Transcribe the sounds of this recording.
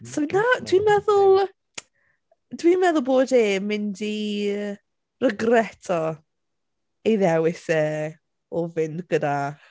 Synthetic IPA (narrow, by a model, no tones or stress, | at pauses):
sɔnadʰwimɛðʊlˠ | d̥wimɛðʊlˠboːdeːmɪndi | rəɡrɛtʰɔ | eðɛwɪsɛː | ɔvɪndɡ̥əda